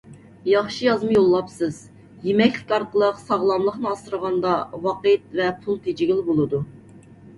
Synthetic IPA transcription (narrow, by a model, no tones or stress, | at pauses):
jɑχʃijɑzmɨjolˠːɑpsɨz̥ | jemɛkʲlɪ̥kʲɑɾqʰəlˠəqsɑʁlˠɑmlˠəχnɨɑsəɾəʁɑnd̪ɑwɑqət̪̚vɛpʰulˠt̪ʰed͡ʒɪɡʲilɪbolˠɨd̪u